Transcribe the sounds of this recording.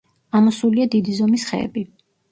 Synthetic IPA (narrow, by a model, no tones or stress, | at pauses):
amɔsuliad̪id̪izɔmisχɛ̰ɛ̰bi